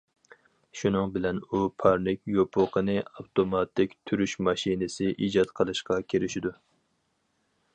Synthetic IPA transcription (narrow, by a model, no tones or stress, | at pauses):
ʃunɨŋbɪlɛnupʰɑɾnɪkʲjopʰʊqʰənɨɑwt̪omɑt̪ʰːɪkʲt̪ʰyɾyʃmɑʃinɪsɪʔid͡ʒɑt̪qʰəlˠɨʃqɑkʲʰeɾɪʃɪd̪u